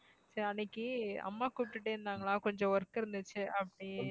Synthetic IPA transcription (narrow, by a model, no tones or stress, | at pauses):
sɐɾɐnːɪkːɯɐ̰mːaːkuːpʈːɯʈːeɾɯnd̪aːŋɡɐɭãːkɔɲd͡ʒɔ̃ʋɐɾkːɪɾɯnd̪ɯt͡ʃːɯʔɐpːɐɽi